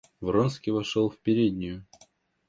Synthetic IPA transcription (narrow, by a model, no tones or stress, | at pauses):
vronskʲɪvɐʂolˠfʲpʲɪɾʲed̪ʲnʲɪjʊ